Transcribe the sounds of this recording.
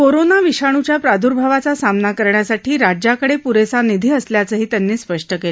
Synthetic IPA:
koɾonaʋiɕaɽ̃ut͡ɕjapɾad̪ʱuɾbʱaʋat͡sasamnakəɾɳjasaʈʰiːɾad͡ʑakəɽepuɾesanid̪ʱiːəsljat͡səːɦiːt̪janːiːspəʂʈəkel

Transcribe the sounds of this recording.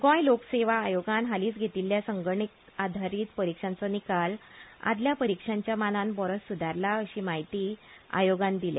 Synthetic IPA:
kɔ̃jlokseʋaːjoɡanɦaliːt͡sɡʱet̪iljasəŋɡəɳik | ad̪ʱaɾiːt̪pəɾikʂãnt͡sɔnikala̰d̪ljapəɾikʂãɲt͡ɕjamananbɔɾɔssːud̪ʱaɾlaəɕiːmaɦit̪iːa̰joɡãnd̪ilḛ̃

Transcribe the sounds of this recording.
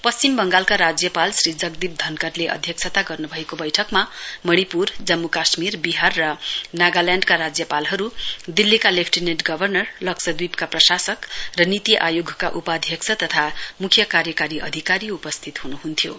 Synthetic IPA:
pʌst͡ɕimbʌŋɡalkaɾad͡zjʌpalsrid͡zʌɡ̚d̪ib̚d̪ʱʌnkʌrleʔʌ̰d̪ʱjʌk̚t͡sʰʌt̪aɡʌrnubʱʌekobʌjʈʰʌkmamʌɽ̃ipurd͡zʌmːukasmirbiɦarːʌnaɡaljãɳɖkaɾad͡zjʌpalɦʌɾud̪ilːikalepʰʈineʈɡʌbʱʌrnʌrlʌksʌd̪wibkaprʌsasʌkrʌnit̪ijʔajoɡʱkaʔupad̪ʱjʌksʰʌt̪ʌt̪ʰamukʰjʌkaɾjʌkaɾiʔʌd̪ʱikaɾiupʌst̪ʰit̪ɦunuɦunt̪ʰjo

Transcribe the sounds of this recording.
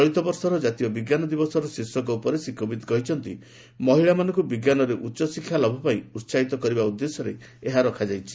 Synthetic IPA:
ɔɭit̪ɔbɔɾsɔɾɔd͡ʒat̪iɔbiɡjanɔd̪ibɔsɔɾɔsisɔkɔupɔɾesikɔbid̪kɔɦit͡ʃʰɔnt̪ḭ | mɔɦiɭamanɔ̃ŋkubiɡjanɔɾeʔutːt͡ʃɔsikʰːjalɔbʱɔpaĩuɾsait̪ɔkɔɾibaud̪ːesɔɾe | eɦaɾɔkʰad͡ʒajt͡ʃʰi̥

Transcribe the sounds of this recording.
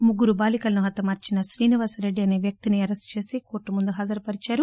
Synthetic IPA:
muɡːuɾubaːlikɐlɐnuɦɐt̪ːɐmaːɾt͡ʃinɐʃɾiːniʋaːsɐɾe̞ɖːiɐne̞ːʋjɐk̚t̪iniɐɾest͡ʃe̞ːsiko̞ːɾʈːumund̪uɦaːd͡ʒɐɾɐpɐɾit͡ʃaːɾu

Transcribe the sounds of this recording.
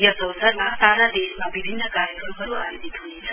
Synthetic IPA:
jʌsʌwsaɾmasaɾad̪esmabibʱinːʌkaɾjəkɾʌmɦʌɾua̰ɾid̪it̪ʰunet͡sʰʌ

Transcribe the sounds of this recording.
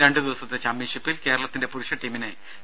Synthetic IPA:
ɾe̞ɳɖɨd̪iʋɐsɐt̪ːet͡ɕɐmːiɕupːilke̞ːɾɐɭɐt̪ːinde̞puɾuʂɐʈːiːmine

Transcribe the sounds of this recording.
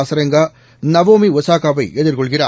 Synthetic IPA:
sɐɾɐŋɡaː | nɐʋoːmiʋɔsaːkaːbɐɪʔɛðɪɾkɔɭɣɪraː

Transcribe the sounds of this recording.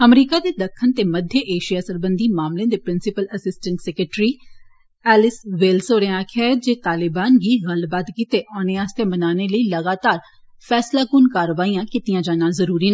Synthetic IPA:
əmɾiːkaːd̪eːd̪əkʰːənt̪eːməd̪ʱjəʔeːʃijaːsəlbənd̪iːmaːmlẽːd̪eːpɾɪnsɪpələsɪsʈəɳʈsɛkəʈɾiː | ɛːlɪsʋɪlsoːɾẽãːkʰeːd͡ʒeːt̪aːlɪbaːnɡiːɣəlbaːd̪kit̪eːʔɔːneaːst̪ẽːmənaːneːləiːləɡaːt̪aːɾ | fʰɛːslaːkʊnkaːɾəʋaːijãːkɪt̪ijãːd͡ʒaːnãːzəɾuːɾiːna

